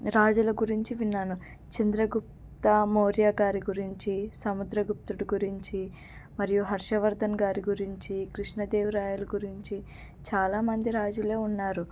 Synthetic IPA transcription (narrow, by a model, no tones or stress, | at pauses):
ɾaːd͡ʒulɐɡuɾiɲt͡ʃiʋinːaːnu | t͡ʃind̪ɾɐɡup̚ | t̪ɐmoːɾjaːɡaːɾiɡuɾiɲt͡ʃisɐmud̪ɾɐɡup̚t̪uɽiɡuɾiɲt͡ʃi | mɐɾijuɦɐɾʂɐʋɐɾd̪ʱɐnɡaːɾiɡuɾiɲt͡ʃikɾiʂɳɐd̪eːʋuɾaːjulɐɡuɾiɲt͡ʃi | t͡ʃaːlaːmɐnd̪iɾaːd͡ʒule̞ːunːaːɾu